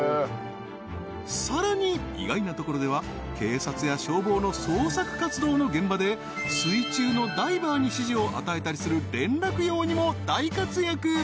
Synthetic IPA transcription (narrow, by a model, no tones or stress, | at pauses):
saɾaɲ̟iḭɡainat̪o̞ko̞ɾo̞d̪e̞β̞a | ke̞ːsat͡sɨjaɕo̞ːbo̞ːnoso̞ːsakɯ̟̥kat͡sɨd̪o̞ːnoɡẽ̞mbad̪e̞ | sɨit͡ɕɨːno̞d̪aibaːɲ̟iɕiʑio̞ʔa̰t̪ae̞t̪aɾʲisɨɾɯ̟ɾẽ̞nɾakɯ̟jo̞ːɲ̟imo̞d̪̥aikat͡sɨjakɯ̟